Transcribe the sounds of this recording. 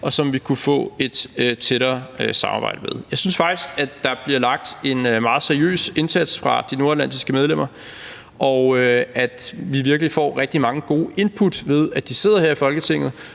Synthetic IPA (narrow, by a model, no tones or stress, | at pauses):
ʔɒ̽sɒ̽mʋikʰufɔ̰ːe̝d̥øt͡sʰeɾɐːøsɑ̈mɑ̈ːbɑ̰̈ɪd̥əmeð̞ˠjɑɪsynsfɑ̈ɡ̥d̥isɡ̥ædːɑ̈b̥liɐlɑ̈ɡ̥̚d̥e̝nmɑ̈ːð̞̩ˠseɐiø̰ːse̝nsæd̥sfʁɑ̈d̥ino̝ɐelæn̰d̥isɡ̥əmeðˠlem̰ɐ | ʔɒæd̥ʋiʋiɐɡ̥əlifɒ̰ːʁɛɡ̥̚d̥imɑ̈ŋəɡ̥o̝ːʔe̝npʰud̥ʋe̝ð̞ˠæd̥ise̝ð̞̰ˠɐheɐ̰ifɒ̽lɡ̥ət͡sʰe̝ŋ̰ð̩ˠ